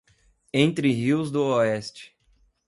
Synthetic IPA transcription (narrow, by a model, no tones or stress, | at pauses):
ẽnt̪ɾɪɦiwzd̪ʊoɛst͡ʃɪ̥